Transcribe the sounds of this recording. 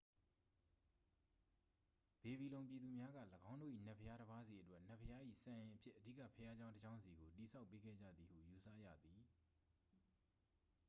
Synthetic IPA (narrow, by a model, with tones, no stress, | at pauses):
b̥e˨bi˨lõ˨ʊ̃mpji˨d̪u˨mja˦ɡä̰˦˨ləɡã˦ʊ̃ndo̰˦˨ʔḭ˦˨nɛ˦ʔpʰəja˦ɾəba˦zi˨ʔətwɛ˦ʔn̥ɛ˦˨pʰːəja˦ʔḭ˦˨sã˨jɪ̃˨ʔə˨pʰjɪ˦ʔːədḭ˦˨ka̰˦˨pʰəja˦d͡ʑã˦ʊ̃ntəd͡ʑã˦ʊ̃nzi˨ɡo˨ti˨sʰa˦ʊpːe˦ɡɛ̰˦˨d͡ʑä̰˦˨d̪ði˨hṵ˦˨ju˨sä̰˦˨jä̰˦˨d̪i˨